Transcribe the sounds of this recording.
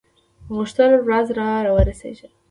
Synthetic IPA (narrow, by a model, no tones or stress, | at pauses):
mʊʃt̪ɪlɾazɾɑɾɑwəɾasḛʒə